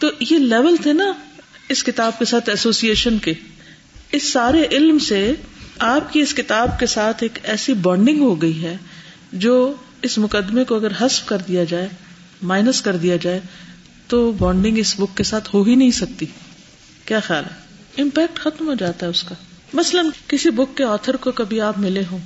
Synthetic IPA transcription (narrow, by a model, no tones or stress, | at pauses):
t̪oːjelɛːʋəlt̪ʰenaɪskɪt̪aːb̚kesaːt̪ʰɛsoːsieːʃənke | ɪsːaːɾeʔɪlmseaːpkiɪskɪt̪aːb̚kesaːt̪ʰeːkɛːsibɔ̃ːɳɖɪ̃ŋɡɦoɡɐiɦɛ | d͡ʒoː | ɪsmʊkəd̪ːmekoɐɡəɾɦɐsfkɐɾd̪ijad͡ʒaːe | maːɪnəskɐɾd̪ijad͡ʒaːe | t̪oːbɔ̃ːɳɖɪ̃ŋɡɪsbʊkːesaːt̪ʰɦoɦinɐɦĩsɐk̚t̪i | kjaːxjaːlɦɛ | ɪ̃mpɛːk̚ʈxɐt̪mɦod͡ʒaːt̪aɦɛʊska | mɐslənkɪsibʊkːeɔːt̪ʰəɾkokɐbʱiaːpmɪleɦõː